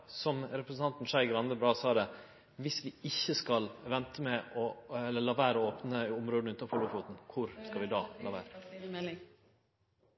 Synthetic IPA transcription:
sɔmɾɛpɾəsn̩ʰɑnt̪n̩ʂæɪɡɾɑnəbɾɑːsɑːd̪ɛ | ʋɪsʋɪɪçːəskɑlʋɛnt̪ʰəmɛʔɔɛlːəɭɑʋæːɾəɔoːpnəʊmɾoːd̪̩ʉnt̪ɑfʰɔlʊːfuːt̪n̩kʰʊɾskɑlʋɪd̪ɑːlʔɑʋæ̰ːɾə

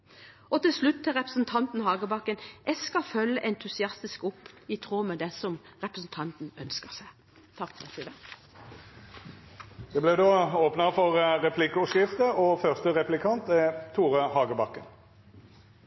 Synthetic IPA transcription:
ɔt̪ɪlslʉt̪ʰːɪlʁɛpʁəsn̩t̪ʰɑnt̪n̩ɦɑːɡəbɑkːənʔɛɡskɑfœlːəʔɛnt̪ʰʉsɪɑst̪ɪskʊpːɪt̪ʰʁoːmɛd̪ɛsɔmʁɛpʁəsn̩t̪ʰɑnt̪n̩œnskəʁsæɪ | t̪ʰɑkfɔɛ̰sʰid̪ə | d̪̥ɛblɛd̪oːoːpnəfɔʁʁɛpʰlɪkːʊsɪft̪əɔfœʁst̪əʁɛplɪkʰɑnt̪ɛt̪ʰuːʁəhɑːɡəbɑkːən

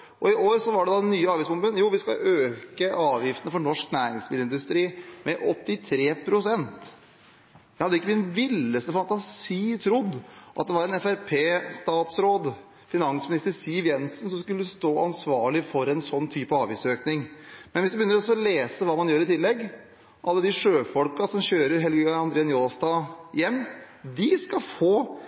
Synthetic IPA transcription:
ʔɔɪʔoːɾsɔʋɑɖɛd̪ɑnyːəɑːʋiːsmʊnbənjuːʋɪskɑ̰øːkəʔɑːʋjɪft̪ənəfɔɳɔʂknæːɾɪŋsmɪːləɪnd̪ʉst̪ɾiːmɛʔɔt̪ːɪt̪ʰɾeːpʰɾʊsɛnt̪ | d̪hɑd̪ːəɪkːəmɪnʋɪlːəst̪əfɑnt̪ɑsiːt̪ʰɾʊd̪ːʔɑ̰t̪̚d̪ɛʋɑɾɛnɛfæɾpʰeːst̪ɑːt̪sɾoːd̪ | fɪnɑnsmɪnɪst̪əɾsiːʋjɛnsənsɔmskʉlːəst̪oːɑnsʋɑːɭɪfɔɾɛnsɔnːt̪ʰyːpəɑːʋiːsøːknɪŋmɛnʋɪsd̪ʉbəjʏnəɾɔsɔleːsəʋɑːmɑnjøːɾɪt̪ʰɪlːɛɡː | ʔɑlːəd̪ɪʂøːfɔlkɑsɔmɕøːɾəɾɦɛlɡyɑnd̪ɾeːənjuːnɑst̪ɑjɛmːd̪ɪskɑfoː

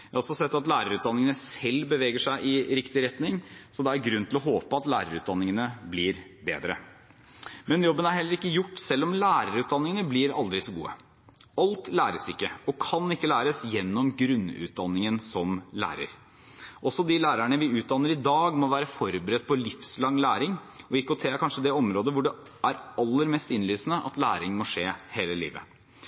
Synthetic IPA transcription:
jjɑɔsɔsɛt̪ːɑt̪læːɾəɾʉːt̪̚d̪ɑnːɪŋənəsɛlːbəʋeːɡəʂæɪʔɪɾɪkt̪ɪɾɛt̪nɪŋsɔd̪ɛæɾɡɾʉnːt̪ɪlɔɦoːpəɑt̪læːɾəɾʉːt̪̚d̪ɑnːɪŋənəblɪɾbḛːd̪ɾə | mɛnjɔbːənæɾhɛlːəɾɪkːəjʊʈːsɛlːɔmlæːɾəɾʉːt̪d̪ɑnːɪŋənəblɪɾɑld̪ɾɪsɔɡṵːə̰ | ɑlt̪læːɾəsɪkːəɔkʰɑnɪkːəlæːɾəsjɛnːɔmɡɾʉnːʉ̰ːt̪̚d̪ɑnːɪŋənsɔmlæ̰ːɾə̰ɾ | ʔɔsːɔd̪ɪlæːɾæɳəʋɪʉːt̪̚d̪ɑnːəɾɪd̪ɑːɡmɔʋæːɾəfɔɾbəɾɛt̪̚ːpʰɔlɪfslɑŋːlæːɾɪŋɔɪkːʊt̪ʰeːkʰɑnʂəd̪ɛɔmɾoːd̪əʋʊɖɛ | ʔæɾɑlːəɾmɛst̪ɪnlyːsnəʔɑ̰t̪læːɾɪŋmɔʂeːheːləlḭːʋə̰

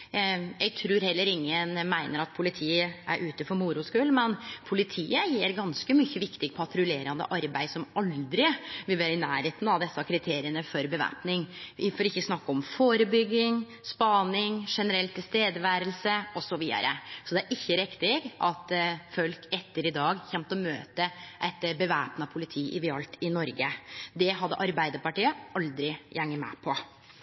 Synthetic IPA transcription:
jæɪɡt̪ʰɾʉːɾhɛlːəɾɪŋːənmæɪnəɾɑt̪̚pʰʊlɪt̪ʰiːəʔæ̰ɾʔʉːt̪əfɔɾmʊɾʊskʉːlmɛnpʰʊlɪt̪ʰiːəjiːɾɡɑnskəmʏçːəʋɪkt̪ɪɡpʰɑt̪ɾʉleːɾɑnd̪ə̰ʔɑɾbæɪsɔmɑld̪ɾɪʋɪlʋeɾɪnæːɾheːt̪n̩ɑʋd̪ɛsːɑkʰɾɪt̪ʰeːɾɪənəfɔɾbəʋæ̰ːpnɪŋɪfɔɾɪçːəsnɑkːəɔmfoːɾəbʏɡːɪŋ | spɑnɪŋʂɛnəɾɛlt̪ʰːɪlst̪eːd̪əʋæːɾəlsəʔɔsɔʋiːd̪ɑ̰ɾʔəsɔd̪ɛæɾʔɪçːəɾɛkt̪ɪɡʔɑt̪fœlkɛt̪ːəɾɪd̪ɑːɡçɛmt̪ɔmøːt̪əʔɛɪt̪bəʋæːpnɑpʰʊlɪt̪ʰiːʔɪ̰ʋɪɑlt̪ʰɪnɔɾɡəd̪ɛɦɑd̪ːə̰ʔɑɾbæɪd̪əɾpɑʈiːəʔɑld̪ɾɪjæŋːəmɛ̰pʰɔ

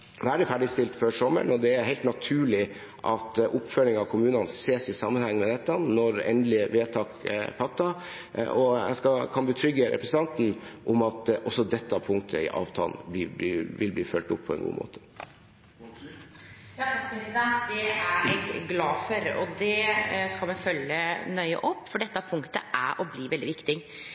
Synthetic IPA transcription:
ʋæɖɪfæɖɪst̪ɪlt̪føːʂɔmːə̰ɳɔd̪ɛæɾɦæɪt̪nɑt̪ʰʉːɭɪ | ʔɑt̪ʔʊpːfœlɪŋɑʋkʰʊmʉːnɑnseːsɪsɑmːənhɛŋːmɛd̪ɛt̪ːənɔɾɛ̰nd̪lɪʋeːt̪ʰɑːkpʰɑt̪ːɑ | ʔɔæ̰ɪskɑkʰɑnbət̪ʰɾʏɡːəɾʔɛ̰pɾɛs̩ɑnt̪n̩ʔʊmɑt̪ʔɔsɔd̪ɛt̪ːɑpʰʊŋkt̪ʰə̰ɪ̰ʔɑ̰ːʋt̪ʰɑ̰ːlnblɪːblɪʋɪlbliːfœlt̪ʊpʰːɔɛ̰nɡṵːmʔo̰ːt̪ʰə̥ | d̪ɛæɾɛɡɡlɑːfɔɾɔ̰d̪ɛskɑlmɛfœljənœʏə̰ʔɔpːfɔɖɛt̪ːəæpʰʊŋkt̪əʔæ̰ʔɔbliːʋɛld̪ɪʋɪkt̪ɪ

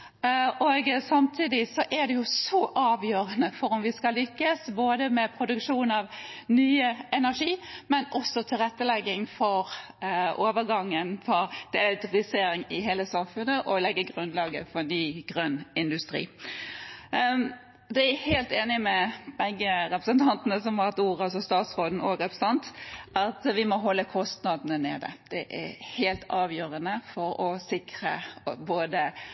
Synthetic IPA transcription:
ʔoɡsɑmt̪ʰiːd̪ɪsɔʔæd̪ɛjʊsɔʔɑːʋjøːɾənəfɔɾʊmʋɪskɑlʏkːəsboːd̪əmɛpʰɾʊd̪ʉkʂuːnɑʋnyːəɛnæʂiːmɛnɔsːɔt̪ʰɪlʁɛt̪ːəlɛɡːɪŋfɔɾ | ʔoːʋəɾɡɑŋːənfʰɔd̪̥ɛɛt̪ʊɾɪseːɾɪŋɪɦeːləsɑmfʉnəʔɔlɛɡːəɡʁʉnlɑːɡə̰fɔnyːɡ̥ʁœnɪnd̪ʉst̪ɾḭː | d̪ɛæheːlt̪eːnɪmɛb̥ɛɡːəɾɛpʁəsənt̪ʰɑnt̪ənəsɔmʋɑʁɛt̪uːɾəɑsɔst̪ɑːt̪sʁoːd̪n̩ɔːɡɾɛpʁəsɑnt̪ʔɑt̪ʋɪmɔɦɔlːəkʰɔst̪nɑd̪n̩əneːd̪ə̰d̪̥ɛʔæheːlt̪ʰɑːʋjøːɾənəfɔɾɔsɪkʁə̰boːd̪ə

